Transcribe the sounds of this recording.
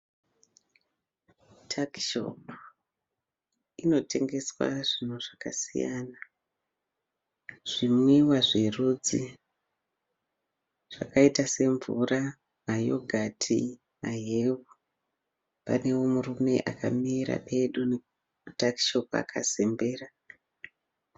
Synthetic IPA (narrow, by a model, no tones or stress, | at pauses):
tʰaki̥ʃo̞̰pa | ino̞tʰe̞ŋɡe̞swa̰ʐin̤uʐ̥aka̰sḭja̰ːna | ʐ̥imwewaʐeruːd͡zi | ʐ̥akaitase̞ɱvṵra | majo̰ɡʱatʰḭ | maɦewu | pa̰ne̞wo̞murume̞̰ʔaka̰miɾa̰pe̞ɗune | utaki̥ʃo̞p̚a̰kʰa̰sembe̞ːra